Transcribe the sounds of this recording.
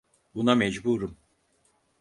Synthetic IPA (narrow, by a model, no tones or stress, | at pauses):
bunamɛd͡ʒbuɾum